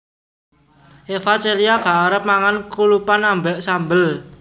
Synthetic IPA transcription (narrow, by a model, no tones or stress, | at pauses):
ʔefat͡ʃeliaɡ̥a̤ːɾəp̚maŋankulupanambɛʔsambəl